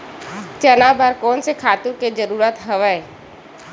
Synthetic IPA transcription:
t͡ʃənaːbəɾkɔːnsekʰaːt̪uked͡ʒəɾuːɾət̪ɦəʋəe

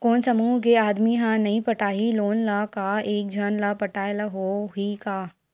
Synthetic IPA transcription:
koːnsɐmuːɦkeaːd̪miɦãnɐɦĩpɐʈaːɦiloːnlakaeːk̚d͡ʒʱɐnlaːpɐʈaːelaɦoɦikaː

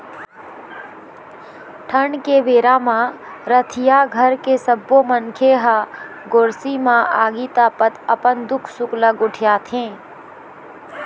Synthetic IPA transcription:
ʈʰəɳkeʋeːɾamã | ɾət̪ʰijaɡʱəɾkesəbːomənkʰeɦa | ɡoːɾsimãʔaːɡiːt̪aːpət̪əpənd̪ʊkʰsʊkləɡʊʈʰɪjaːt̪ʰẽː

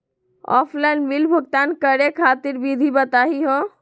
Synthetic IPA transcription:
ɔ̰pʰlaɪnmilbʱəɡ̚t̪ankəɾekʰat̪iɾbid̪ʱibət̪aɦiɦo

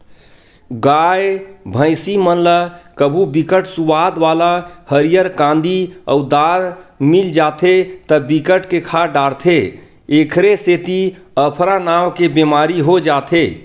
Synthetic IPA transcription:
ɡajbʱə̃ɪsimənləkəbʱubikəʈsuʋad̪ʋalahəɾijəɾkãnd̪ʱiə̰ud̪aɾmild͡ʒat̪ʰet̪əbikəʈkekʰaɖaɽt̪ʰe | ekʰɾeset̪i | əpʰɾanawkebemaɾiɦod͡ʒat̪ʰe

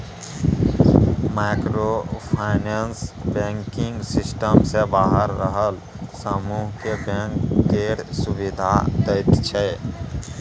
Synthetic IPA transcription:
maːkɾopʰaːɪnensbɛ̃ːŋkɪ̃ŋɡsɪsʈəmsebaːɦəɾːəɦəl | səmuːɦkebẽːŋkeːʈsʊwɪd̪ʱa̰d̪ət̪t͡ʃʰɛ

